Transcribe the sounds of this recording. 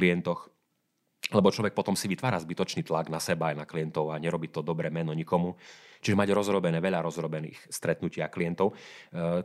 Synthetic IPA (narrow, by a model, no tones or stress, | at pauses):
liɛnt̪ɔx | lɛbɔt͡ʃlɔʋɛk̚pɔt̪ɔmsiʋit̪ʋaːɾazbit̪ɔt͡ʃniːt̪laɡnasɛbaːjnaklijɛnt̪ɔʊaɲɛɾɔbit̪ɔd̪ɔbɾɛmɛnɔɲikɔmut͡ʃiʒɛmaɟɾɔzɾɔbɛnɛːʋɛʎaɾɔzɾɔbɛnḭːxst̪ɾɛt̪nucɪakliɛnt̪ɔʊ